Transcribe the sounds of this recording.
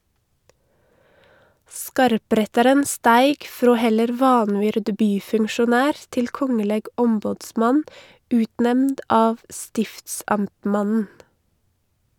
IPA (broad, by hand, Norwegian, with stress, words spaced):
ˈskɑɾˌpɾɛtɑɾən ˈstæɪɡ ˈfɾoː ˈhɛləɾ ˈʋɑnˌʋʏɾd ˈbyːfʉŋʃʊˌnæːɾ ˈtɪl ˈkɔŋəlɛɡ ˈʔɔmbɔdˌsmɑn ˈʉːtˌnɛmnd ˈɑːʋ ˈstɪftsɑmtˌmɑnn̩